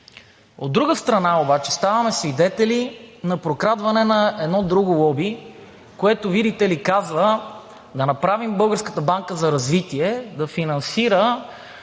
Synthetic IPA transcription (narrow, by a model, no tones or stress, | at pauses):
od̪̚ːɾuɡəst̪ɾɐnaobat͡ʃɛ̥st̪avɐmɛsvid̪ɛt̪ɛlinɐpɾokɾad̪vɐnɛnɐɛd̪nɔd̪ɾuɡʊlˠɔbi | koɛt̪ovid̪it̪ɛlikazvə | d̪ɐnɐpɾavimbɤlˠɡəɾskə̥t̪əbaŋkəzɐɾɐzvit̪iɛd̪ɐfinɐnsiɾə